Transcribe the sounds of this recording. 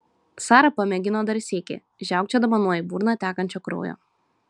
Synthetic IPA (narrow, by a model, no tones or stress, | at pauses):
sɑːɾɐpɐmʲɛɡʲɪnoːd̪ɐɾʲsʲeːkʲḛ | ʒʲæˑʊk̚t͡ʃʲɛd̪ɐʋɐnuɔjɪbuːɾnɑt̪ʲæːkɐnʲt͡ʃʲoːkɾo̰ːjo̰ː